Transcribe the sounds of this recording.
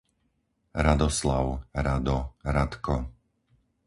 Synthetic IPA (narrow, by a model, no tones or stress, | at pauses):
ɾad̪ɔslaʊɾad̪ɔɾat̪kɔ